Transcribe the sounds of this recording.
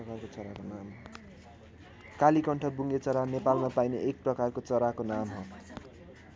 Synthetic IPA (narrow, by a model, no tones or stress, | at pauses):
ʌkarkot͡sʌɾakonam | kalikʌɳʈʰʌbuŋɡet͡sʌɾanepalmapajneʔek̚prʌkarkot͡sʌɾakonamɦʌ